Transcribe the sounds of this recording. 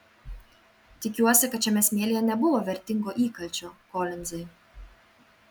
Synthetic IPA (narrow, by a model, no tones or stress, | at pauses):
t̪ʲɪkʲuɔsʲɪkɐt̪t͡ʃʲɛmʲɛsʲmʲeɛlʲijɛnʲɛbʊʋoːʋʲɛɾʲt̪ʲɪŋɡoːʔiːkɐlʲt͡ʃʲoːkɔːlʲɪnzɐɪ